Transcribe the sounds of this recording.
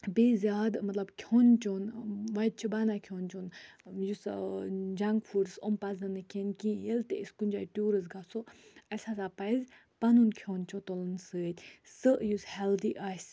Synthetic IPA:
bezʲaːd̪mɐt̪lɐbkʲʰoːnt͡ʃonʋɐjd̪̚t͡ʃʰibanakʰoːnt͡ʃoːnjus | d͡ʒaŋkfʰuɖsompɐzɨnɨkʲenkĩjelt̪eiskunʲd͡ʒaːiʈuːɾəzɡasoɐsasapɐjz | pɐnunkʰjoːnt͡ʃʰot̪olɨnsɨːət̪ʲsəʔjushɛld̪iʔaːsʲ

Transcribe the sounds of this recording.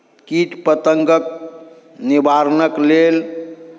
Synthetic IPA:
kiʈpət̪əŋɡək̚ | nibʱaɾnəklel

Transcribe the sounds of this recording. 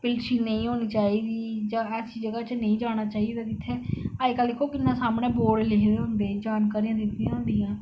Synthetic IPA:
pɪlsiːnə̃ĩːɦoːniːt͡ʃaːiːd̪iːd͡ʒãːɛːsiːd͡ʒəɡaːt͡ʃnə̃ĩːd͡ʒaːɽ̃aːt͡ʃaːid̪aːkɪt̪ʰːeːaːkəld̪ɪkʰːoːkɪnːãːsaːmɳeːboːɽleːkd̪eːɦʊnd̪eːd͡ʒaːnkaːɾijãːd̪ɪt̪ʰːĩɦʊ̃ːnd̪iːãː

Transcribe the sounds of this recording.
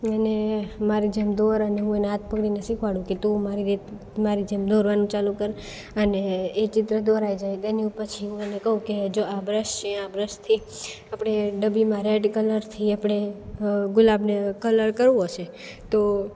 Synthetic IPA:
ənemaɾid͡ʒɛmd̪oɾəneɦũeneɦat̪̚ʰpəkɽinəsikʰʋaɽũket̪ũmaɾiɾit̪ʰ | maɾid͡ʒemd̪oɾʋanũt͡ʃalukəɾ | əneːt͡ʃɪt̪ɾəd̪oɾajd͡ʒajt̪eniũpət͡ʃʰiɦũenekəɦũked͡ʒoabɾəʃt͡ʃʰẽabɾəʃt̪ʰi | apɽ̃eɖəbimaɾeʈkələɾt̪ʰiapɽ̃e | ɡʊlabnekələɾkəɾʋũɦoʃe | t̪o

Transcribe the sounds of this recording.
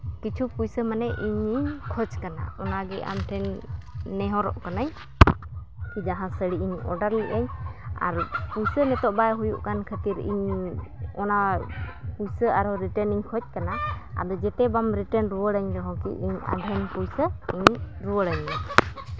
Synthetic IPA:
kit͡ʃʰupujsəmanɛʔiɲiɲkʰɔt͡ʃkana̰ɔnaɡɛʔa̰mʈʰɛnː | ɛɦɔɾɔ̰ʔkanaɲ | kid͡ʒaɦãsəɽiiɲɔ̰ɖaɾliʔɛɲa̰ɾpujsənɛt̪ɔʔbajɦujuʔkankʰət̪iɾḭɲ | ɔna | pujsəaɾɔɾiʈəniɲkʰɔt͡ʃ̚kanaa̰d̪ɔd͡ʒɛtɛbamɾiʈənɾuwəɽaɲd̪ɔɦɔ̃kḭʔiɲa̰dʱɛnpujsəiɲ | ɾuwəɽəɲːɛ

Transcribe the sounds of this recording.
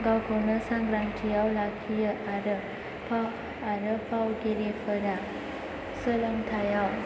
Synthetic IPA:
ɡawkʰəwnəsãŋɡɾamtʰijawlakʰijəʔaɾə | pʰaw | aɾəpawɡeɾepʰəɾa | sələmt̪ʰajaw

